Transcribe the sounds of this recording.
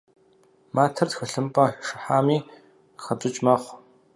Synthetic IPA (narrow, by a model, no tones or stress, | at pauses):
maːtʰɐtxɐɬɨmpʼɐʂɨħaːmiː | xɐtʼɨt͡ʃʼmɐχʷ